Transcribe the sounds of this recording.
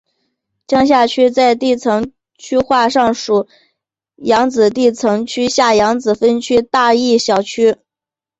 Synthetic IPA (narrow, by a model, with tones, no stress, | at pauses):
t͡ɕjɑ˥ŋɕ̬ja˥˧t͡ɕʰy˥t͡sa˥˧ɪt̪i˥˩t͡sʰɤ˧˥ŋ | t͡ɕʰy˥xwa˥˧ʂɑ˥˩ŋʂu˨˩˦ | jɑ˧˥ŋt͡sɹ̩˨˩t̪i˥˩t͡sʰɤ˧˥ŋt͡ɕʰy˥ɕja˥˩jɑ˧˥ŋt͡sɹ̩˨˩fə˥nt͡ɕʰy˥t̪a˥˧i˥˩ɕjɑ˨˩ʊt͡ɕʰy˥